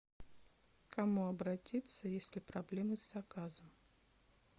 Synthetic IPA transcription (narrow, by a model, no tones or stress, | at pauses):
kɐmuɐbɾɐtʲit̪səjesʲlʲɪpɾɐblʲe̞mɨzʲzɐkazəm